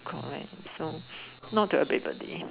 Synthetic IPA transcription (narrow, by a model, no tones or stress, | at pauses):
kʰɔ̰̃lɛ̰̃nsonɔt̚tːuəbḛbə̰dḛ